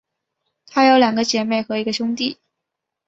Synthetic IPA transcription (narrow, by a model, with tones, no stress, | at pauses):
t̪ʰa˥jo˧˥ʊljɑ˨˩ŋɡə˦t͡ɕjɛ˧˥me˥˩ɪxɤ˧˥i˧˥ɡə˧ɕʊ˥ŋt̪i˥˩